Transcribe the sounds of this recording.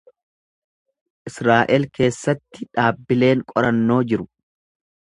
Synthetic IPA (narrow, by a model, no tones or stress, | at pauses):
ʔɪsɾaːʔɛlkʰe̞ːsːɐt̪ːɪᶑaːbːɪle̞ːŋkʼɔɾɐnːo̞ːd͡ʒɪɾʊ